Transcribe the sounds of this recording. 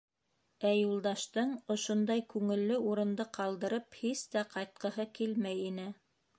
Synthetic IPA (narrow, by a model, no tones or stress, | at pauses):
æjulˠd̪ɑʃt̪ɤɴŏʃond̪ɑjkʉŋɘ̆lːɘuɾɤ̆nd̪ɤqɑlˠd̪ɤ̆ɾɤphist̪æqɑjt̪̚qɤ̆ɦɤkilmæjinɘ